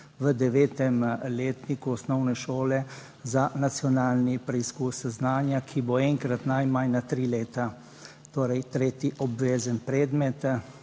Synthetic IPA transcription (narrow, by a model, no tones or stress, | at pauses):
ʋəd̪ɛʋeːt̪ɛmleːt̪nikuɔsnɔwnɛʃoːlɛ | zanat̪sjɔnaːlnipɾɛiskuːsznaːnjakʰiboɛŋkɾat̪najmannat̪ɾiːleːt̪a | t̪oːɾɛjt̪ɾeːt̪jiʔɔbʋeːzənpɾɛːd̪mɛt̪